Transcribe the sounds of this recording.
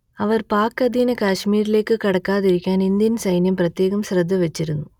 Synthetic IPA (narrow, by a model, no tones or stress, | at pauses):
ɐʋɐrpaːkːɐd̪iːnɐkaːʂmiːɾile̞ːkːɨkɐɽɐkːaːðiɾikʲːaːnind̪jɐnsɐjnjɐmprɐt̪je̞ːɣɐmɕrɐd̪ʱːɐʋet͡ɕːiɾunːu